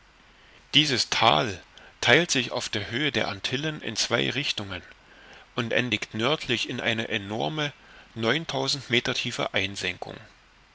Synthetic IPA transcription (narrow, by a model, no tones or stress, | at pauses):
d̥iːzəstʰa̰ːltʰaɪltz̥ɪça̰ʊfd̥eːɐɦøːədeːɐʔantʰɪlənɪ̰nt͡sv̥aɪʁɪçtʊŋən | ʔʊntʔɛ̰ndɪktnœɐtʰlɪçɪnʔa̰ɪnəʔɛnɔ̰ɐmənɔʏntʰaʊzn̩tmeːtɐtʰiːfə̰ʔaɪnzɛŋkʊ̰ŋ